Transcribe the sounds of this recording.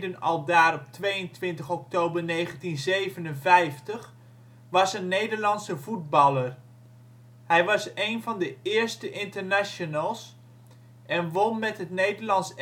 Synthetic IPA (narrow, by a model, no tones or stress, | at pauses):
dənɑlˠdaːɾɔp̚tʋejəntʋɪntəχɔktowbəɹnejχəntinzejvənənvɛjftəχ | ʋɑsənːejdəɹlɑntsəvud̚bɑlˠəɹ | ɦɛjʋɑsejnvɑndəɪːɹstəʔɪntəɹnaʃonəlˠs | ʔɛnʋɔnmɛtɦətnejdəɹlɑns